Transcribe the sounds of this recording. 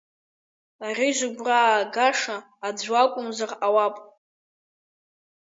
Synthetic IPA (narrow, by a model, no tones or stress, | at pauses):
ariʒʷɪɡʷraːɡaʂaː | d͡zʷakʷʼʊmzarawapʼ